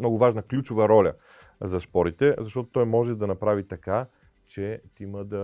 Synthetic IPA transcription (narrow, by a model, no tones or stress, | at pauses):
nɔɡʊvaʒnəklʲut͡ʃʊvəɾɔlʲə̰ | zɐspɔɾit̪ɛzɐʃt̪ɔt̪ot̪ɔjmɔʒɛd̪ɐnɐpɾavit̪ɐka | t͡ʃɛt̪iməd̪ɐ